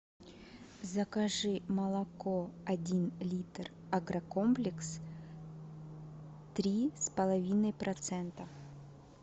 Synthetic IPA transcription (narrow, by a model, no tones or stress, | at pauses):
zɐkɐʐɨmɐlˠɐkoɐdʲinlʲit̪r | ɐɡɾɐkomplʲɪks | t̪ɾʲispəlˠɐvʲinəjpɾʔɐt̪sɛnt̪ə